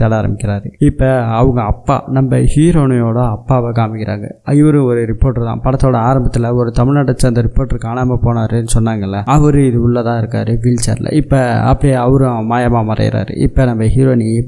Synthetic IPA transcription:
ɐɽaːɾɐ̰mbɪkʲːɪɾaːɾɯɪpːɐːʋɐŋɡɐɐpːa̰ːnɐmbɐhiːɾoːnɪjoːɽɐɐpːaːʋɐkaːmɪkːɪɾa̰ːŋɡɐ̰ɪʋɐɾɯ̃ɔɾɯɾɪpːoːɾʈt̪ã̰ːpɐɽɐt̪ːoːɽɐaːɾɐmbɐt̪ːɪlɐɔɾɯt̪ɐmɪɭnɐʈːɐt͡ʃːɐɐnd̪ɐɾɪpːoːʈːɪɾɯkːaːnaːmɐpoːnaːɾɯnːɯsɔnːaːŋɡɐɪlːɐɐʋɐɾɯɪðɯʊɭːɐt̪ãːɪɾɯkːa̰ːɾɯʋɪlt͡ʃɐ̰ɾlɐ̰ɪpːɐɐ̰pːɐɽɪjɐɐʋɐɾɯ̃maːjɐmaːmɐɾɐ̰jɪ̰ɾa̰ːɾɯ̰ʔɪ̰pːɐnɐmbɐɦiːɾoːni

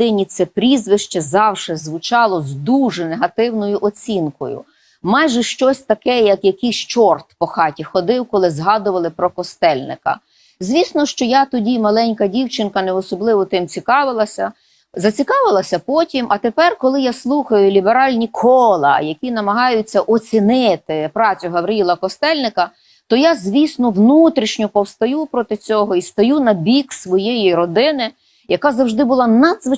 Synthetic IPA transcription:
ɪnʲit̪sɛpɾʲizʋɪʃt͡ʃɛzɑwʃɛzʋʊt͡ʃɑlˠɔzd̪uʒɛneɦɐt̪ɪwnɔjʊʔɔt͡sʲinkɔ̰jʊ̰ | mɑjʒɛʃt͡ʃɔsʲt̪ɐkɛjɐkjɐkʲist͡ʃɔrt̪pɔxɑtʲixɔd̪ɪwkɔlˠɪzɦɑd̪ʊʋɐlˠɪpɾɔkɔst̪ɛlʲnɪ̰kɐ̰ | zʲʋʲisnɔʃt͡ʃɔjat̪ɔdʲimɐlˠɛnʲkɐdʲiwt͡ʃɪnkɐnɛɔsɔblˠɪʋɔt̪ɪmt͡sʲikɑʋɪlˠɐsʲɐ | zɐt͡sʲikɑʋɪlˠɐsʲɐpɔtʲimʔɐt̪epɛrkɔlˠɪjaslˠuxɐjʊlʲibeɾɑlʲnʲikʰɔlˠɐ̰jɐkʲinɐmɐɦɑjʊt͡sʲːɐʔɔt͡sʲinɪt̪ɪpɾɑt͡sʲʊɦɐbɾʲɪilˠɐkɔst̪ɛlʲnɪkɐ | t̪ɔjazʲʋʲisnɔwnut̪ɾʲiʃnʲʊpɔwst̪ɐjupɾɔt̪ɪt͡sʲɔɦɔist̪ɐjunɐbʲiksʋɔjejiɾɔd̪ɪnɪ | jɐkɑzɐwʒd̪ɪbʊlˠɑnɐd̪zʋɪ

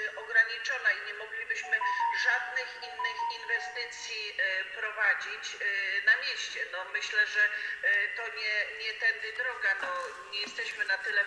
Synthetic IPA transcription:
ɔɡɾaɲit͡ʂɔnaiɲɛmɔɡlʲibɘɕmɘʐad̪nɘxinːɘxinvɛst̪ɘt̪sʲjipɾɔvad͡ʑit͡ɕnamʲjeɕt͡ɕɛnɔmɘɕlɛʐɛt̪ɔɲɛɲɛt̪ɛnd̪ɘd̪ɾɔɡanɔ | ɲɛjɛst̪ɛɕmɘnat̪ɘlɛ

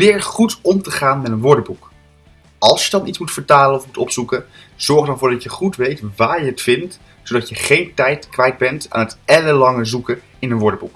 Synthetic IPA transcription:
ʋɪːɹχutɔmtəχaːnmɛtənʋɔɹdəbuk | ɑlˠsjədɑnitsmutfəɹtaːlənɔfmutɔpsukə | z̥ɔɹχdɑnvʊːɹdɑcjəχutʋejtʋaːɹjəətfɪnt | sowdɑtjəχejntɛjtkʋɛjd̚bɛnta̰ːnɦətɛləlɑŋəzukə | ɪnənʋɔɹdəbuk

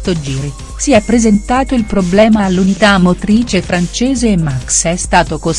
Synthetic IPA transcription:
t̪od͡ʒiːɾi | siɛpːɾezentt̪aːt̪oilpɾoblɛːmaːlːunit̪amːot̪ɾiːt͡ʃefɾant͡ʃeːzeːmːaksɛst̪aːt̪oko

